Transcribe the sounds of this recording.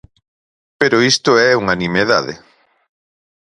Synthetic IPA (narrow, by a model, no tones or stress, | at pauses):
peɾʊist̪ʊɛuŋanimeða̰ðḛ